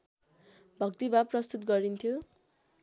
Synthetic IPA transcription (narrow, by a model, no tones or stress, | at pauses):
bʱʌkt̪ibapːrʌst̪ut̪ɡʌɾint̪ʰjo